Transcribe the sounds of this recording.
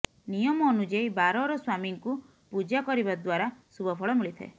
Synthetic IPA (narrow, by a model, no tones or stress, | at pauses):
nijɔmɔːnud͡ʒaibaɾɔɾɔswamiŋku | pud͡ʒakɔɾibad̪waɾasubɔpʰɔɭɔmiɭit̪ʰḛ